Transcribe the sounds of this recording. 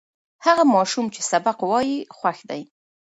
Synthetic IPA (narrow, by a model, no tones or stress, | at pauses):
haɣamɑʃumt͡ʃe̥sabaqwɑjixwaxd̪aj